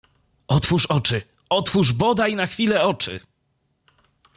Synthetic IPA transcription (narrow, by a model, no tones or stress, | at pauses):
ɔt̪fuʂɔt͡ʂɘ | ɔt̪fuʐbɔd̪ajnaxfʲilɛɔt͡ʂɘ̰